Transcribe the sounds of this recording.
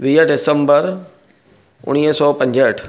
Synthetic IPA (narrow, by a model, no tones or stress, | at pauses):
ʋiːəɖɪsəmbəɾ | ʊ̰ɽ̃iːɦsɔːpɐ̃ɲd͡ʑəʈʰ